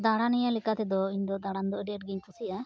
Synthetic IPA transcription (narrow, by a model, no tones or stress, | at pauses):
d̪aɽanɛjalɛkat̪ɛd̪ɔiɲd̪ɔd̪aɽand̪ɔʔəɖɛəʈ̚ɡiɲkʰusiʔa